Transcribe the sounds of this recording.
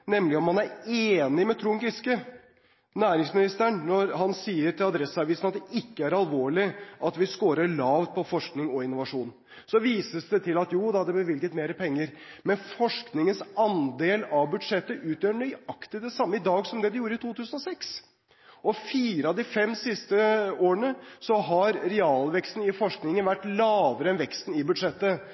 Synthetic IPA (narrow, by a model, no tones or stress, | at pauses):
nɛmːlɪɔmhɑnæɾeːnɪmɛt̪ʰɾuːŋɡɪskə | næːɾɪŋsmɪnɪst̪æɳnɔɾɦɑnsiːəʈɪlɑd̪ɾɛsɑʋiːsnɑt̪̚d̪ɛɪkːəæɾɑlʋoːɭɪʔɑt̪ʋɪskoːɾəɭɑːʋt̪̚pʰɔfɔʂknɪŋɔɪnːʊʋɑʂuːn | sɔʋiːsəsd̪ɛt̪ʰɪlɑt̪juːd̪ɛhɑd̪ɛbəʋɪlɡət̪meːɾəpʰɛŋːəɾmɛnfɔʂknɪŋənsɑnd̪eːlɑbʉd̪ʂɛt̪ːəʔʉːt̪jøːɳœʏɑkt̪əd̪ɛsɑmːəɪd̪ɑːɡsɔmd̪ɛd̪ɛjuːɾəɪt̪ʰuːt̪ʰʉːsənɔsɛks | ɔfiːɾəɑd̪ɪfɛmːsɪst̪əoːəɳəsɔɦɑɾɾɛɑːlʋɛkst̪n̩ɪfɔʂknɪŋənʋæʈːlɑːʋəɾəɛnʋɛkst̪n̩ɪbʉd̪ʂɛt̪ːə